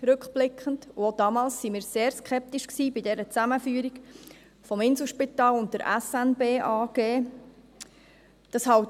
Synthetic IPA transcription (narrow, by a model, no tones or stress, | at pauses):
ɾɵkχb̥lɪkχəntodɑːmɑːlsːimiːɾseːɾskʰɛp̚tiʃksiːbɪdɛɾət͡sæməfyːəɾik | fɔmɪnsl̩ʃpitɑːlʊnt̚dəɾʔæ̰sænbeːʔɑːɡ̥eː | d̥ɑshɑwt